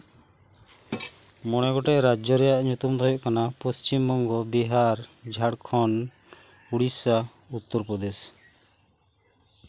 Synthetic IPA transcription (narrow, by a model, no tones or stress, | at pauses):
mɔɽ̃ɛɡɔʈɛʔɾad͡ʒɔɾɛjaʔɲut̪umd̪ʱɔjɔʔkanapɔst͡ʃimːɔŋɡɔbiɦaɾd͡ʒʱaɽkʰɔn | uɽisa | ut̪ːɔɾpɾɔd̪ɛs